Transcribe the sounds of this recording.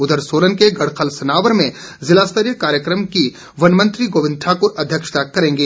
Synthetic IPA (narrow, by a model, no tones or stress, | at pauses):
ʊd̪əɾsoːɾənkeɡɐɽkʰəlsɐnaːʋəɾmẽ | zɪlaːst̪ʰəɾjəkaːɾjəkɾəmki | ʋɐnmə̃nt̪ɾiɡoːʋɪ̃ʈʰaːkʊɾɐd̪ʱjəkʃt̪akɐɾẽːŋɡeː